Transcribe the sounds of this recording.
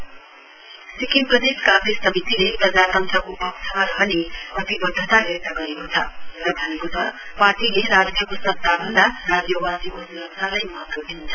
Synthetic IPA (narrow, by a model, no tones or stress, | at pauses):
sikimprʌd̪eskãɡɾessʌmit̪ilepɾʌd͡zat̪ʌnt̪ɾʌkoʔʌksʰʌmaɾʌɦʌneʌt̪ibʌd̪ʱʌt̪aʔert̪aɡʌɾekot͡sʰʌɾʌd̪ʱʌnekot̪ʌpaɾʈileɾad͡zjʌkosʌtt̪ːabʱʌnd̪aɾad͡zjʌwasiʔosʌkt̪ʰalajmʌɦʌt̪wod̪int͡sʰʌ